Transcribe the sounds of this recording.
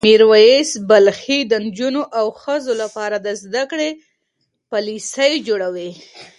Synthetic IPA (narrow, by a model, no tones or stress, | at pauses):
miɾwajesbalxid̪ənd͡ʒunoʔawxəzolapɑɾad̪əzd̪akɽe | palisəjd͡ʒoɽawi